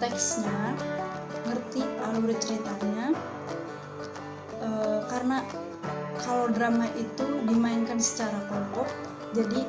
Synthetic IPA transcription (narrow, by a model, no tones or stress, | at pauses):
t̪ɛksɲa | ŋərt̪ialuɾ̚t͡ʃəɾit̪aɲa | əkaɾəna | kalowdɾamaʔit̪udimaɪnkansə̥t͡ʃaɾakɔŋkɔk̚ | d͡ʒadi